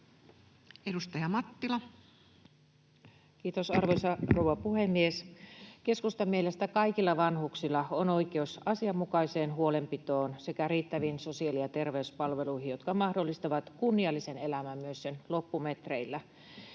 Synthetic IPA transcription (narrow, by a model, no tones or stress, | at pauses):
edust̪ɑjɑmɑt̪ːilɑ | kiːt̪osɑrʋosɑrowɑpuhemːieske̞skust̪ɑmːielest̪ækɑikilːɑʋɑnhuksilːɑonoikeusɑsiɑmːukɑiseːnɦuolempit̪oːnsekæriːt̪ːæʋinsosiɑliɑt̪e̞rʋeyspɑlʋeluihijot̪kɑmɑhdolːist̪ɑʋɑt̪kunːiɑlːisenelæmæmmyøssenlopːumet̪reilːæ